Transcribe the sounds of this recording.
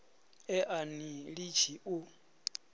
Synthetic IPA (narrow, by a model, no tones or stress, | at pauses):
ɛʔaniɺit͡ʃʰiʔu